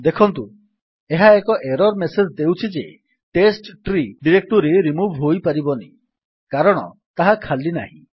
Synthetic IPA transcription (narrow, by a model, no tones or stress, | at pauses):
d̪ekʰɔnt̪u | eɦaekɔʔeɾɔɾmesed͡ʒd̪ewt͡ʃʰid͡ʒe | ʈesʈʈɾiɖiɾek̚ʈuɾeɾimubʱɦojpaɾibɔni | kaɾɔɽ̃ɔ̰ | t̪aɦakʰalina̰ɦḭ̃